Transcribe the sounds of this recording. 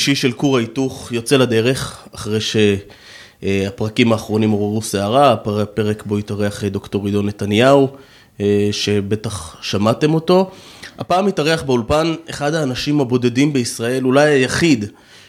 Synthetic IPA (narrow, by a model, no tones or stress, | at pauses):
ʃiʃe̞lkuʁaituχjo̞t͡selad̪e̞ʁe̞χaχʁejʃe̞ | apʁakimaːχʁo̞nimo̞ʁeʁuseaʁappe̞ʁe̞kbo̞itaʁeaχed̪okto̞ʁido̞ne̞tanjau | ʃe̞be̞taχʃamate̞mo̞to̞ | a̰paːmitaʁeaχbeulpaneχad̪aːnaʃimabo̞de̞dimbe̞isʁae̞lulajajaχid̪